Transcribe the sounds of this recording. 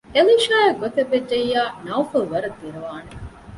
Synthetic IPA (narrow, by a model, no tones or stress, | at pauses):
eliːʃaːjɐɡot̪ebːed͡ʒejːaːnɐufɐlʋɐɾɐd̪ːiɾeʋaːne